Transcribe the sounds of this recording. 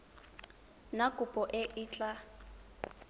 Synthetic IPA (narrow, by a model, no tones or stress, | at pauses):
nakʼʊpʼɔʔɪʔɪːt͡ɬʼa